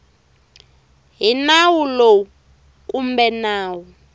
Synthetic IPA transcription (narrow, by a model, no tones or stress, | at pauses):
ɦinawulo | k̬ʼumbɛnaːwu